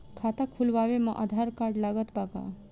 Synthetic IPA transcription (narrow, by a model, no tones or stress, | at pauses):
kʰat̪akʰulʋaʋeməʔa̰d̪ʱaɾkaɾɖlaɡət̪baka̰